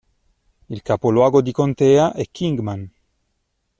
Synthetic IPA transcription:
ilkapolwaɡod̪ikont̪eaʔɛkʰːiŋɡman

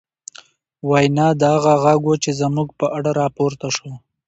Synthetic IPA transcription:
wajnɑd̪əaɣaɣaɡwot͡ʃezamuɡpəʔaɽaɾɑpoɾt̪aʃo

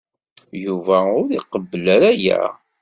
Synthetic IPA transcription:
juvæʊɾiqəbːəlæɾæjæ̰

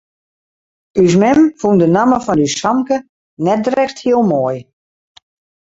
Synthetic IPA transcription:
ys̬mɛmfundənaməfɔnysɔmkə | nɛt̚drɛxthiəlˠmoːj

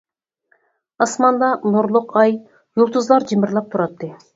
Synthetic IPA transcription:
ɑsmɑnd̪ɑnʊɾlˠʊqɑj | julˠt̪əzlˠɑɾd͡ʒimɪɾlˠɑp̚t̪ʰuɾɑt̪ːɪ

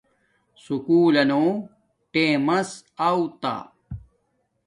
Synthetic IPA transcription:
sukuːlɐnoː | ʈeːmɐsawt̪a̰

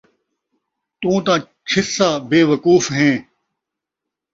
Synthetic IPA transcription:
t̪ũːt̪ãː | t͡ɕʰɪsːaːbeːʋɐkuːfɦẽː

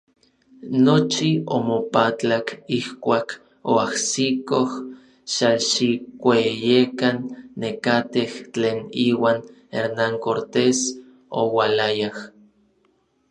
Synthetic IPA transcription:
not͡ʃiomopat͡ɬakihkʷaːk | oahsikoh | ʃaʃikʷejekanːekat̪eht͡ɬeːniːwaːn | ḛɾnaŋkoɾt̪es | o̰walajah

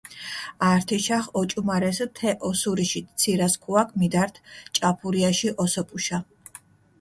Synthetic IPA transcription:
aɾt̪ʰiʃaχɔt͡ʃʼumaɾɛst̪ʰɛʔɔsuɾiʃit̪t̪sʰiɾaskʰuakʰmid̪aɾt̪ʰt͡ʃʼapʰuɾiaʃiʔɔsɔpʼuʃa

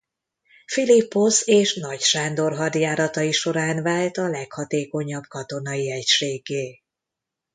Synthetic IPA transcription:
filipːoseːʃnɒcʃaːnd̪o̞rɦɒd̪jaːɾɒt̪ɒiʃo̞ɾaːnvaːlt̪ɒlɛkhɒt̪eːko̞ɲɒbkɒt̪o̞nɒjiɛcʃeːɡːeː

